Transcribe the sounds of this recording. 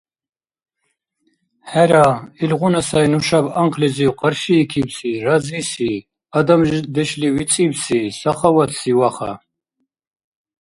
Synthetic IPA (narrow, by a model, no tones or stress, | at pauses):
ħæɾailʁunasajnuʃabaŋqʰʼlɛziwqʼaɾʃiːkʰibsiɾazisi | ad̪amʒd̪ɛʃliwit͡sʼibsisaχawat̪ʰsiwaχa̰